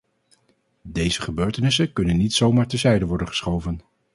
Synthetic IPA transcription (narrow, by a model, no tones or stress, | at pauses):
dejzəχəbøːɹtənɪsənkɵnənːitsowmaːɹtɛzɛjdəʋɔɹdənχə̥sχowvən